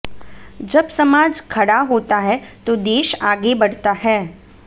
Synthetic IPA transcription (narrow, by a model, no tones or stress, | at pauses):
d͡ʒəbsəmaːd͡ʒkʰəɽaɦoːt̪aɦɛt̪od̪eːʃaːɡebəɽt̪aɦɛː